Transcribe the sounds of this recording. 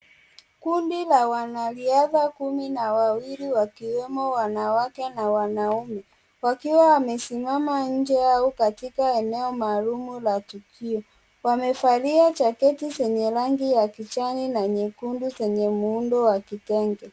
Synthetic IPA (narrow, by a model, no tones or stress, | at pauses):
kundilawanaliaðakuminawawiliwakiwɛmɔwanawakɛnawanaumɛ | wakiwawamɛsimamaɲ̩d͡ʒɛjaɔkatikaɛnɛɔmaːlumulatukʰiɔ | wamɛfaliat͡ʃakɛtisɛɲɛɾaŋɡijakit͡ʃaninaɲɛkunduzɛɲɛmuundɔwakitɛŋɡɛ